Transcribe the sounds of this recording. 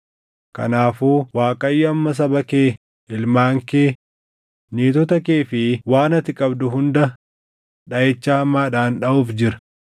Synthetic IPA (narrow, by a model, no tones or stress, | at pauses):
kɐ̰naːfuːwaːkʼɐjːʊɐmːɐs̬ɐbɐkeː | ɪlmaːŋkeː | niːt̪ɔt̪ɐkeːfɪwaːnɐt̪ɪkʼɐbd̪ʊhʊnd̪ɐ | ᶑɐet͡ʃːaːhɐmːaːᶑaːnᶑɐuːfd͡ʒɪɾɐ̥